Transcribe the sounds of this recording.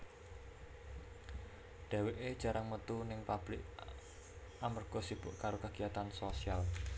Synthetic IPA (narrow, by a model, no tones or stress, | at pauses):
ɖ̪̥a̤weʔed̥ʒ̥a̤ɾʔaŋmət̪unɪŋpab̥lɪk | ʔamərɡ̥osib̥ʊʔkaɾokaɡ̥ijat̪ansosial